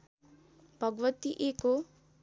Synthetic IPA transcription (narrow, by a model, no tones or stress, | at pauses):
pʌɡʋət̪iʔeːko